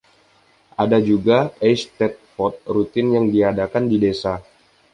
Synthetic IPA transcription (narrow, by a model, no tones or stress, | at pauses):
ʔadad͡ʒuɡaɛjst̪ɛt̪̚fɔt̪̚rut̪ɪnjaŋdiadakandidesa